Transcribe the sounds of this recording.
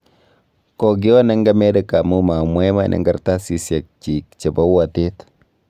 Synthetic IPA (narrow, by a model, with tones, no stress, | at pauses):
kɔ˨ɡi˦ɔ˦nɛ˦ŋɡa˦mɛ˦de˦ka˨mu˦ma˨mwɛ˦ma̰˦˨nʔɛ̰˨ŋɡa˦ɾta˦si˨sja˨k̚t͡ʃi˨kt͡ʃe˨ba˦wa˨te˦t